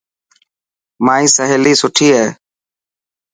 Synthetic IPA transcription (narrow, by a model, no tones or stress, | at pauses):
maːĩːsəɦeːliːsʊʈʰiːɦeː